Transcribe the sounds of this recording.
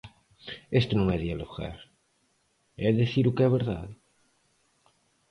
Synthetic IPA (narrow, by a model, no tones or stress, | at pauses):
est̪unõŋɛðialoɣa̰ɾ | ɛðeθiɾukɛβeɾða̰ð